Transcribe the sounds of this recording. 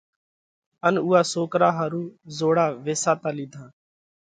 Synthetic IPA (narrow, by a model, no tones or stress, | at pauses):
ənuːaːsoːkɾaːɦaːɾuːzoːɽaːʋeːsaːt̪aːliːd̪ʱãː